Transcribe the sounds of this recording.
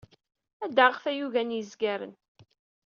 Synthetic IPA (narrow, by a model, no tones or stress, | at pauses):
æd̪əʁfæjuʝænjəzɡæɾə̰n